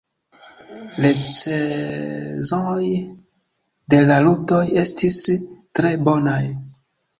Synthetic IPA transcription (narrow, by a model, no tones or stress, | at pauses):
lese | zonoj | de̞laluto̞je̞stistɾe̞bo̞naj